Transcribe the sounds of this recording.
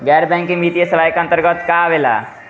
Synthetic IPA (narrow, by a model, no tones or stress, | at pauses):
ɡɛɾbɛ̃ŋkːĩŋmit̪ijesəʋajkə̃nt̪əɾɡət̪kaʋela̰